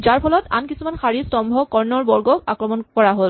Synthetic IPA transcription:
zaɹpʰɔlɔta̰nkisumanxaɹistɔmbʱɔkɔɹnɔɹbɔɹɡɔkakɹɔmɔnkɔɹaɦol

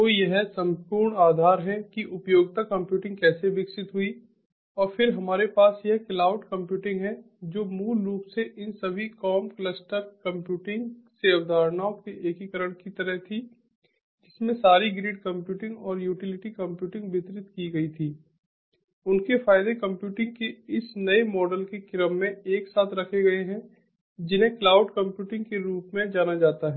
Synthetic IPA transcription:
ʋojɐɦsɐ̃mpuːɾɳaːd̪ʱaːɾɦɛkiʔʊpjoːɡ̚t̪akɐ̃mpjuːʈɪ̃ŋɡkɛːseʋɪksɪt̪ɦʊi | ɔːɾfɪɾɦɐmaːɾepaːsjɐɦklaːʊʈkɐ̃mpjuːʈɪ̃ŋɡɦɛ̃ | d͡ʒoːmuːlːuːpseʔɪnsɐbʱikɔːmkləsʈəɾkɐ̃mpjuːʈɪ̃ŋɡseɐʋd̪ʱaːɾnaokeʔeːkikəɾəɽ̃kit̪ɐɾəɦt̪ʰi | d͡ʒɪsmẽsaːɾiɡɾeːɖkɐ̃mpjuːʈɪ̃ŋɡɔːɾjuːʈɪlɪʈikɐ̃mpjuːʈɪ̃ŋɡbɪt̪ɾɪt̪kiɡɐit̪ʰiː | ʊnkefaːɪd̪ekɐ̃mpjuːʈɪ̃ŋɡ̚keɪsnɐemɔːɖəlkekɪɾəmːẽeːksaːt̪ʰɾɐkʰeɡɐeɦɛ̃ | d͡ʒɪnẽklaːʊɖkɐ̃mpjuːʈɪ̃ŋɡkeɾuːpmẽd͡ʒaːnad͡ʒaːt̪aɦɛː

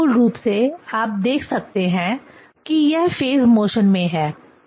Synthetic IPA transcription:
ʊlɾuːpseaːp̚d̪eːkʰsɐk̚t̪eɦɛ̃ | kijɛɦfeːzmoːʃənmẽɦɛː

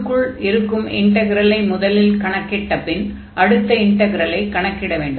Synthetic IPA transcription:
kːɯɭɪɾɯkːɯmɪɳʈɐɣɪɾɐlɐɪmʊðɐlɪlkɐɳɐkːɪʈːɐpːɪn | ʔɐɽɯt̪ːɐɪɳʈɐɣɪɾɐlɐɪkɐɳɐkːɪɽɐʋeːɳɖɯ

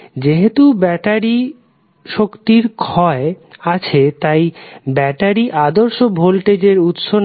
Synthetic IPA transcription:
d͡ʑeɦet̪ubɛʈaɾi | ʃokt̪iɾkʰɔe | at͡ɕʰet̪ajbɛʈaɾiʔad̪oɾʃobʱolʈed͡ʑeɾut̪ʃon

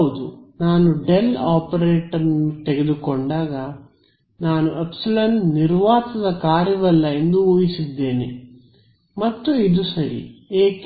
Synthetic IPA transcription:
ud̪unaːnuɖelaːpɐɾeːʈɐɾnut̪eɡed̪ukɔɳɖaːɡaː | naːnuʔepsilɐɳniɾʋaːt̪ɐd̪ɐkaːɾjɐʋɐlːɐend̪uuːjisid̪ːeːni | mɐt̪ːuid̪usɐɾḭeːk

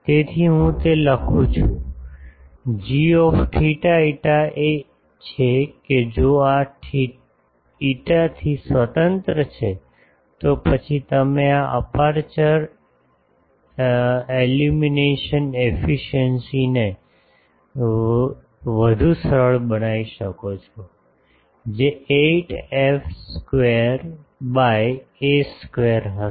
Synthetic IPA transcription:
t̪et̪ʰiɦũt̪eləkʰũt͡ʃʰũ | d͡ʒiɔfʈʰiʈaiʈaʔe | t͡ʃʰeked͡ʒoaʈʰi | iʈat̪ʰisʋət̪ənt̪ɾət͡ʃʰe | t̪opət͡ʃʰit̪əmeaʔə̰paɾt͡ʃəɾ | elumineʃənefiʃənsine | ʋəd̪ʱusəɾəɭbənaiʃəkot͡ʃʰo | d͡ʒeeʈefskʋeɾbajeskʋeɾɦə

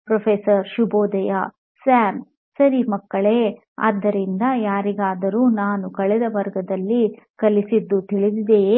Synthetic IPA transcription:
pɾɐpʰeːsɐɾʃuboːd̪ɐja | saːm | sɐɾimɐkːɐɭeː | a̰ːd̪ːɐɾind̪ɐjaːɾiɡaːd̪ɐɾuːnaːnukɐɭɛd̪ɐʋɐɾɡɐd̪ɐlːikɐlisid̪ːut̪iɭid̪id̪e

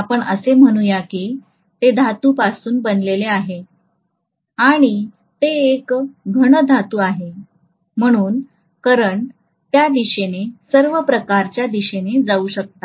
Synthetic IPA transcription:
apəɳəsem̤əɽ̃uːjaki | t̪ed̪ʱat̪uːpasuːnbənleleaɦe | aɽ̃i | t̪eːkɡʱəɽ̃əd̪ʱat̪uːaɦe | m̤əɽ̃uːn | kəɾəɳ | t̪jad̪iɕenesəɾʋəpɾəkaɾt͡ɕjad̪iɕened͡zauɕək̚t̪a

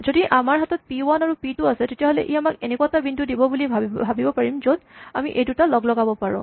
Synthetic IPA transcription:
zodiʔamaɹɦatɔt̚piwanaɹupitʊasɛtetijaɦɔlɛ̰ʔiamakenɛkuatabindudibɔbulibʱabʱabibɔpaɹimzodamiʔejdutalɔɡlɔɡabɔpaɹɔ̰̃

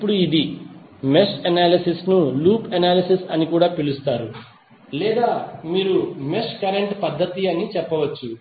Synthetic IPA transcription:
ipːuɽuid̪imesʈɐnaːlisisnuluːpɐnaːlisisɐnikuːɽaːpilust̪aːɾu | lɛːd̪aːmiːɾumesʈkɐɾeɳʈpɐd̪ʱːɐt̪iɐnit͡ʃɛpːɐʋɐt͡ʃːu

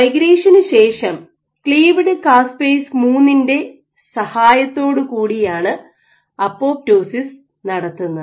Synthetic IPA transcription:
ɐjɡɾeːʂɐnɨɕe̞ːʂɐm | kɭiːʋiɽɨkaːspeːsmuːnːinde̞ | sɐhaːjɐt̪ːo̞ːɽɨkuːɽijaːɳɨ | ɐpːo̞ːp̚do̞ːsis | nɐɽɐt̪ːunːɐ

